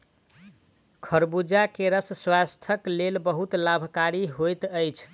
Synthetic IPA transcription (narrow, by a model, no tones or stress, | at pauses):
kʰəɾbud͡ʒakeɾəsswast̪ʰəklelbəɦut̪labʱkaɾiɦojt̪əjt͡ʃʰ